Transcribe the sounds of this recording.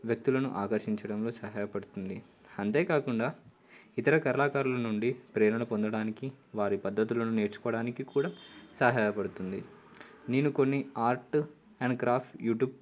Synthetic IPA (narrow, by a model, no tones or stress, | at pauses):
ʋjɐk̚t̪ulɐnuʔaːkɐɾʃiɲt͡ʃɐɽɐmlo̞ːsɐɦaːjɐpɐɽut̪und̪i | ɐnt̪e̞ːkaːkuɳɖaː | it̪ɐɾɐkɐɾɐlaːkaːɾulɐnuɳɖipɾeːnɐnɐpo̞nd̪ɐɽaːnikiʋaːɾipɐd̪ʱːɐt̪ulɐnune̞ːɾt͡ʃu̥kɔːɐɽaːnikikuːɽaːsɐɦaːjɐpɐɽut̪und̪ineːnuko̞nːiaːɾʈ | ɐɳɖkɾaːpʈjuːʈjuːb̚